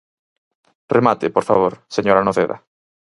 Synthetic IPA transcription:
remat̪ɪpoɾfa̰β̞oɾseɲoɾanoðeða̰

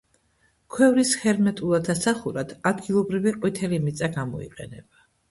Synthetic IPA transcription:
kʰwɛvɾisχɛɾmɛt̪ʼulˠad̪ʰasaχuɾad̪̥ad̪ɡilˠɔbɾiviqʼwit̪ʰɛlimit̪sʼaɡamɔ̰ḭqʼɛ̰nɛb̥a

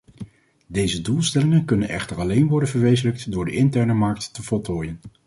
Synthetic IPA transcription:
dejzədulˠstɛlɪŋənkɵnənɛ̰χtəɹɑlejnʋɔɹdənvəɹʋejzələk̚tdʊːɹdə̰ʔɪntɛɹnəmɑɹk̚tːəvɔlˠtoːjən

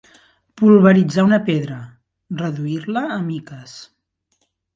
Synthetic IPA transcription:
pulˠβəɾid͡zaunəpeðɾə | rəðuirləːmikəs

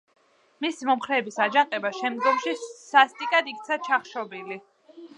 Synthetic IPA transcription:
misimɔmχɾɛːbisad͡ʒaŋqʼɛbaʃɛmd̪ɡɔmʃisast̪ʼikʼad̪ik̚ʰt̪sʰat͡ʃʰaχʃɔbili

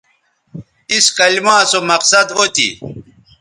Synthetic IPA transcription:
iskɐlimãːsomɐqsɐd̪ot̪ḭ

